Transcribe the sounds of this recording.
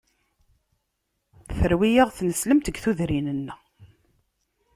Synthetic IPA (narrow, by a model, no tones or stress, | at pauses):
θəɾwijəʁθnəsləmt̪əɡθuðɾinənːæ